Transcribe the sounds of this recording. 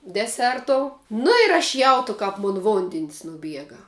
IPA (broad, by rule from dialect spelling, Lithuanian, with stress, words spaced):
dʲɛˈsʲɛrtoːʊ ˈnʊ ɪr ɐʃ ˈjɛʊtʊ kɐp ˈmʊn ˈʋoːnʲdʲɪnʲsʲ nʊˈbʲiɛɡɐ